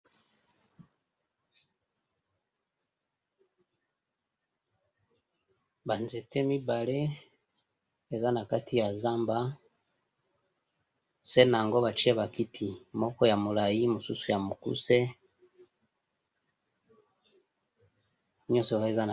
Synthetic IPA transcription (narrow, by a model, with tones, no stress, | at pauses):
βa˨nze˨te˦mi˦ba˨le˦ | e˨za˦na˨ka˦tʰi˦ja˨za˦mba˦ | se˦na˨ŋɡo˦βa˨t͡ʃi˦e˦βa˨ki˦tʰi˨mo˦ko˦ja˨mu˨la˨ji˦mu˨su˦su˦ja˨mu˨kṵ˦se˦ | ɲo˦so˨he˦za˦na